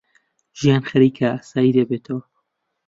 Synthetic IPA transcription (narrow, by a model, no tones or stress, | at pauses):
ʒ̥ijaːnxɐɾiːkʰaaːsaːjid̪ɐbeːt̪ʰɐwɐ